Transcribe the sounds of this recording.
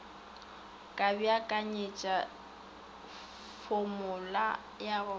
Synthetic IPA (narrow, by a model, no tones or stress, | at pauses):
kʼabiakʼaɲet͡ʃʼa | fʊmʊla | jaɣʊ